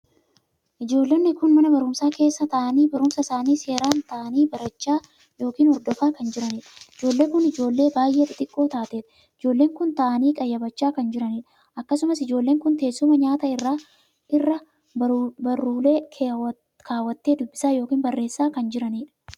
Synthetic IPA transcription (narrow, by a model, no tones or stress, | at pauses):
ʔɪd͡ʒo̞ːlːenːɪkʊnmɐnɐbɐɾʊmsaːke̞ːsːɐt̪ɐʔɐniːbɐɾʊmsɐsaːniːse̞ːɾaːnt̪ɐʔɐniːbɐɾɐt͡ʃːaː | jo̞ːkiːnɔɾd̪ɔfaːkɐnd͡ʒɪɾɐniːᶑɐɪd͡ʒo̞ːlːe̞ːkʊnɪd͡ʒo̞ːlːe̞ːbaːjʔe̞ːt̪ɪt̪ʼɪkʼːo̞ːt̪aːt̪eːᶑ̪ɐ̥ | ɪd͡ʒo̞ːlːe̞ːŋkʊnt̪ɐʔɐniːkʼɐjːɐbɐt͡ʃːaːkɐnd͡ʒɪɾɐniːᶑɐ | ʔɐkːɐsʊmɐsɪd͡ʒo̞ːlːe̞ːŋkʊnt̪e̞ːsːʊmɐɲaːt̪ɐɪrːaː | ʔɪrːɐ | bɐrːuːle̞ːkʰ | kʰaːwːɐt̪ːe̞ːd̪ʊbːɪ̥saːjo̞ːkiːnbɐrːe̞ːsːaːkɐnd͡ʒɪɾɐniːᶑɐ̥